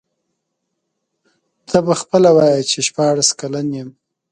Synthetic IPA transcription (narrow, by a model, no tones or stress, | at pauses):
d̪̥ɑbaxpəlawɑjət͡ʃeʃpɑɽaskalanjem